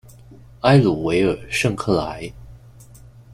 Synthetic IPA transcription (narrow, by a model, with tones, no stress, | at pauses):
a˥ɪlu˨˩we˧˥ɪə˞˨˩ʂɤ˥˧ŋkʰɤ˥˩la̰˧˥ɪ